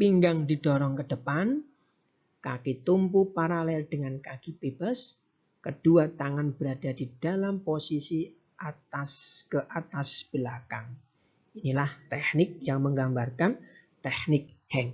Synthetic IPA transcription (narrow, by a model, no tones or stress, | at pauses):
piŋɡaŋdid̥ɔɾɔŋkəd̥əpan | kakit̪umpupaɾalɛld̥əŋankakib̥eb̥as | kəd̥uat̪aŋanb̥əɾad̥adid̥alamposisi | ʔat̪askəʔat̪asb̥əlakaŋ | inilaht̪ɛhnɪk̚jaŋməŋɡambarkant̪ɛhnɪk̚hɛŋ